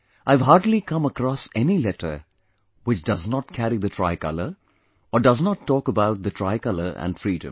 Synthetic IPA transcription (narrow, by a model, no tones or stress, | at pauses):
ʔaɪʋɦaːɾɖlikʌ̃məkɾɔːsɛnilɛʈə̰˞ | wɪt͡ʃdʌznɔt̚kʰæɾid̪ətʰɹa̰ɪkʌ̰ləɾ | ɔːɖʌznɔtʰːɔːkəbaʊt̚d̪ətʰɹaɪkʌləɾæ̰̃nfɾiːdə̰̃m